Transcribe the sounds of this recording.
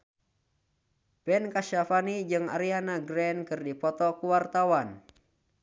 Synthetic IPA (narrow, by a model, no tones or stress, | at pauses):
bɛnkaʃafanid͡ʒɨŋa̰ɾianaɡɾɛnkɨrdipɔt̪ɔkuwart̪awan